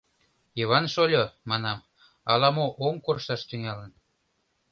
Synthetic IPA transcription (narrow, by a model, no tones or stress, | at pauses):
jeβɑnʃolʲomɑnɑm | ɑlɑmoʔoŋkorʃɑʃt̪yŋɑlən